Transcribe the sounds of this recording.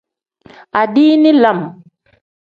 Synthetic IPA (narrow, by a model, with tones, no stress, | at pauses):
a˨diː˦ni˦la˨m